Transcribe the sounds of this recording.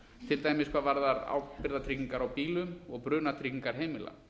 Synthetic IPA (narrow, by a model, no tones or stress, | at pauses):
t̪ʰɪlt̪aːjmɪskʰvaːvaɾðaɾa̰wpɪɾðat̪ʰɾiːciŋkaɾawpiːlʏmɔɣpɾʏːnat̪ʰɾiciŋkaɾ̥ɦeːjmɪlʔa̰